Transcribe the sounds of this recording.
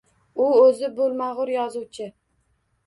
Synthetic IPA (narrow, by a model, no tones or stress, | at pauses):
ʊɵzɪbɵlˠmaʁʊɾjɒzuwt͡ʃʰɪ